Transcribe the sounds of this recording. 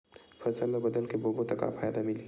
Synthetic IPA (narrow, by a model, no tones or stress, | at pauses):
fʰɐsəlːabɐd̪əlkeboːbot̪ɐka̰pʰaːjd̪amɪli